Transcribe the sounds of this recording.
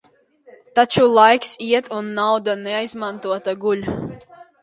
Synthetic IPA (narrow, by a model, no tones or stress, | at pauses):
t̪at͡ʃulˠajksiɛt̪unːawd̪anɛajzmant̪uɔt̪aɡulʲ